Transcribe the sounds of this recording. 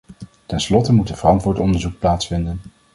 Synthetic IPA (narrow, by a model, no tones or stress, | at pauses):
tɛnslɔtəmutəvərɑntʋʊːtɔndəɹzuk̚plaːtsfɪndən